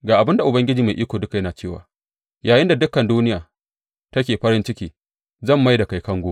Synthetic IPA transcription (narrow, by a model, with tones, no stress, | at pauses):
ɡaː˨ʔa˨bɪ˦nda˨ʔʊ˨bɐ˦ŋɡʲɪ˦d͡ʒiː˨ma˨ʔiː˦kʷoː˨dʊ˦ka˨jɐ˦naː˨t͡ʃeː˦˨wa̰ː˨ | jaː˨jɪ˦nda˨dʊ˦kːɐ˨nduː˦nɪ˦jaː˨ | tɐ˦kʲeː˨ɸɐ˦ɾɪ˦nt͡ʃɪ˦kʲiː˦ | zɐ˦˨mːa˦jda˨ka˨jkɐ˦ŋɡʷoː˦